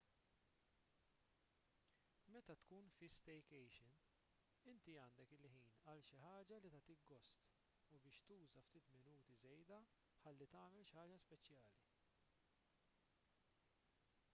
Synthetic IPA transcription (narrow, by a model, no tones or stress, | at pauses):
mɛt̪ɐt̪kuːnfɪst̪ɛjkɛjʃɪn | ɪnt̪iɐːnd̪ɛkɪlħiːnɐlʃɪħɐːd͡ʒɐlit̪ɐt̪iɡɔst̪ | ubɪːʃt̪uːzɐft̪iːt̪mɪnuːt̪izɛjd̪ɐ | ħɐlːit̪ɐːmɛlʃħɐːd͡ʒɐspɛt͡ʃjɐːli